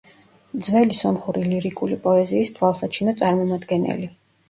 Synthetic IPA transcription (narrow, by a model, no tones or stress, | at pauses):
d̪zvɛlisɔmχuɾiliɾikʼulipʼɔɛziːst̪ʰwalˠsat͡ʃʰinɔt̪sʼaɾmɔmad̪ɡɛnɛ̰li